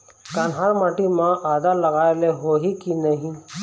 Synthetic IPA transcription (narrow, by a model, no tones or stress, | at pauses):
kanɦaɾmaːʈimãʔaːd̪aləɡaːeleɦoɦikinəɦĩ